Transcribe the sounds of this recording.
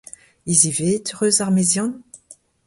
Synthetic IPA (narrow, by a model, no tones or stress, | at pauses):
izivet̪ʁøzaʁmezjɔ̃n